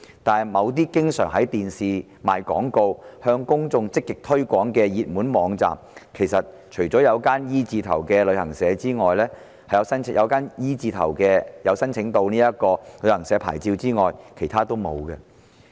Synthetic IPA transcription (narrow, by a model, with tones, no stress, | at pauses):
t̪aː˨mɐ˨˧wt̪̬iː˥kɪ˥ŋsœː˨˩ŋɦɐ˨˥jt̪iː˨nsiː˨ | maː˨˩jkɔ̰ː˨˥ŋko˧whœː˧ŋkʊ˥ŋt͡sʊ˧ŋt͡sɪ˥kːɪ˨k̚t̪ʰɵ˥ɥkʷɔː˨˥ŋkɛː˧jiː˨t̚muː˨˥nmɔː˨˧˥ŋt͡sa̰ː˨mkʰe˨˩jsɐ˨t̚ | t͡ʃʰɵ˨˩ɥt͡sɔː˨˥jɐ˨˧wkaː˥njiː˥t͡siː˧t̪ʰɐ̰˨˩wkɛː˧lɵ˨˧ɥhɐ˨˩ŋsɛː˨˧˥t͡siː˥ŋɔː˨jlɛː˥ | hɐ˨jɐ˨˧wsɐ˥njɐ˨˧wkaː˥njiː˥t͡siː˧t̪ʰɐ̰˨˩wkɛː˧jɐ˨˧wsɐ˥nt͡sʰɪ˨˥ŋt̪o˧wniː˥jɐ˥t̚kɔː˧lɵ˨˧hɐ˨˩ŋsɛː˨˥pʰa̰ː˨˩jt͡siː˧wt͡siː˥ŋɔː˨jkʰe˨˩jt̪ʰaː˥t̪o˥wmo̰˨˧wkɛ˧